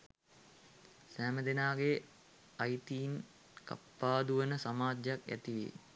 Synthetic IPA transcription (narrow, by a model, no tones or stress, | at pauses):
sæːməd̪enaːɡe | ajt̪iːn | ka̰pːaːd̪uʋənəsamaːd͡ʒjakæ̰t̪iʋḛ